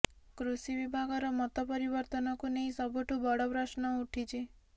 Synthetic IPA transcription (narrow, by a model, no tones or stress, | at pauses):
kɾusiʋibʱaɡɔɾɔmɔt̪ɔpɔɾibɔɾt̪ɔnɔkuneĩsɔbuʈʰubɔɽɔpɾasnɔuʈʰit͡ʃʰi